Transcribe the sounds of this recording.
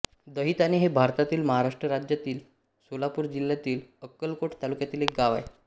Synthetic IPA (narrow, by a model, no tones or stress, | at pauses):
d̪əɦit̪aneɦebʱaɾt̪at̪iːlməɦaɾaʂʈɾəɾad͡ʑjat̪iːl | solapuːɾd͡ʑiljat̪iːləkːəlkoʈt̪alukjat̪iːlek̚ɡaʋae